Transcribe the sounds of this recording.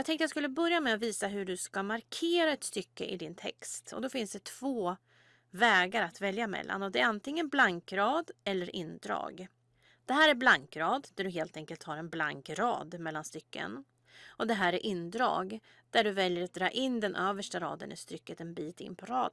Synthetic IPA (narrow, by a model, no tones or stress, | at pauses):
jɑɡt̪ʰɛŋkt̪əjaskɵlːəbœɾjamɛaviːsaɦɵɖɵskamaɾkʰeːɾaɛt̪st̪ʏkːə̰ʔɪd̪ɪnt̪ʰɛ̰kst̪ɔ̰d̪ɔfɪnsd̪ɛt̪ʰv̥oː | vɛːɡaɾat̪vɛljamɛ̰lːa̰nɔd̪ɛːɾant̪ɪŋːənblaŋkɾɑːd̪ɛlːəɾʔɪ̰nːd̪ɾɑ̰ːɡ | d̪̥ɛɦæːɾæɾblaŋkɾɑːd̪d̪æɖɵɦeːlt̪ɛŋkəlt̪haɾɛnbla̰ŋkɾɑ̰ːd̪mɛlːanst̪ʏkːə̰n | ʔɔd̪ɛɦæːɾæɾʔɪnːd̪ɾɑ̰ːɡ | d̪æɖɵvɛljəɾat̪̚d̪ɾɑːʔɪnːd̪ɛnʔøːvəʂʈaɾɑ̰ːd̪ə̰nʔɪ̰st̪ɾʏkːət̪ɛnbiːt̪ɪ̰nːpʰɔɾɑːd̪